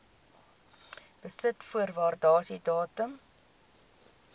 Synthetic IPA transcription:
b̥əsətfuərvɑːrdɑːsidɑːtəm

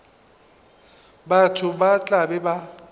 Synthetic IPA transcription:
batʰʊbat͡ɬʼabɛba

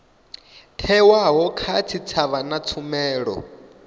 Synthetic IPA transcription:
tʰɛwaɦɔkʰat͡sʰit͡sʰaβanat͡sʰumɛːɺɔ̰

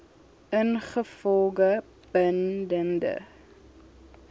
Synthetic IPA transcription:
ʔənχəfɔlˠɡə | b̥əndəndə̰

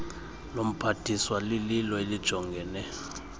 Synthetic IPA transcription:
lom̩pʰatʰʼiswalililɔelid̥ʒ̥ʱɔŋɡʱɛːnɛ

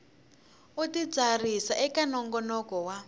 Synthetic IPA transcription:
utid͡zarisaʔɛkanɔŋɡɔnɔkɔwa

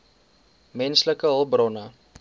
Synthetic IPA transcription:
mɛnsləkəɦəlˠbrɔnə

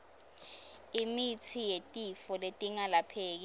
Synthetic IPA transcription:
imitʰijetʼifɔletʼiŋalapʰeːk̬i

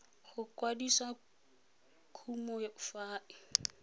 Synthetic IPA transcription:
χʊkʼwadisa | kʰumɔjaʊfaːʔɪ

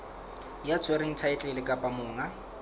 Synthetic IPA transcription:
jat͡sʰweɾɪŋ̩tʰaɪt͡ɬʼɪlɪkʼapʼamʊːŋa

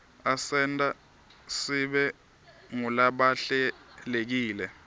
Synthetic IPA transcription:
asɛntʼa | siɓɛ | ŋulaɓaɬɛlek̬iːlɛ

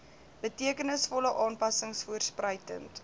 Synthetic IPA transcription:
b̥ətiəkənəsfɔləʔɑːnpɐsəŋsfuərsprəjtə̰nt

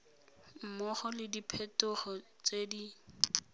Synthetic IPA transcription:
m̩mɔχɔlɪdipʰɛtʊχɔt͡sedi

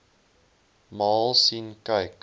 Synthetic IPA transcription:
mɑːlˠsinkɐjk

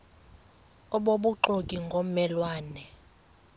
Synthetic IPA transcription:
ɔɓoɓuǃokʼiŋɡʱomɛlwaːnɛ

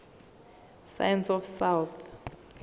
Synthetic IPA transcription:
sa̰jɛnsɔfsawθ

